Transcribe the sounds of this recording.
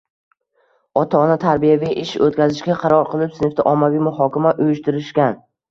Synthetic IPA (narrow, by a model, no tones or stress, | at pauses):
ɒt̪ʰaːnat̪ʰaɾbijavijʔɪʃot̪kʲazɪʃkʲaqʰɑɾɒɾqɨlˠɪpsɪnɪft̪ɪʔɒmːavijmʊɦɒkʲamaʔʊjɪʃt̪ɪɾɪʃkʲan